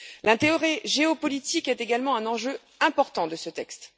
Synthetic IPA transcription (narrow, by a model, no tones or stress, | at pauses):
lɛ̃t̪eɔʁiʒeopɔlit̪ikɛt̪eɡalmɑ̃ɛ̃nɑ̃ʒø | ɛ̃pɔʁt̪ɑ̃d̪əsət̪ɛkst̪